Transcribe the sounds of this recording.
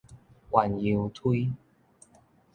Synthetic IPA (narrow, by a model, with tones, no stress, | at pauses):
wa˨˩nji˧wt̪ʰi˦